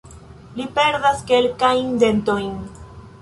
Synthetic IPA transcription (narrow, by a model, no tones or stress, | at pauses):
lipe̞ɾdaske̞lkajnde̞nto̞jn